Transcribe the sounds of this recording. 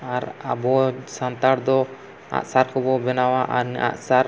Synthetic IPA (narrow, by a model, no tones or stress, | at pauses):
aɾa̰bɔsant̪aɽd̪ɔ | a̰ʔsaɾkɔbɔbɛnawaʔaɾnɛ̰ʔa̰ʔsaɾ